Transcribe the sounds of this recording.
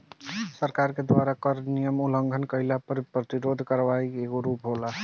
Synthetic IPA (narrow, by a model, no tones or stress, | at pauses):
səɾkaɾked̪waɾakəɾnijəmuləŋɡʱənkəjlapəɾpɾət̪iɾod̪ʱkəɾʋajkeɡoɾupɦola